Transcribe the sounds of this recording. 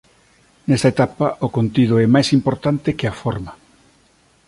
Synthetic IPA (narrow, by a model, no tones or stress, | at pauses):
nɛst̪ɐet̪apaʔokont̪ið̞ʊɛmajsimpoɾt̪ant̪ɪkeafɔɾma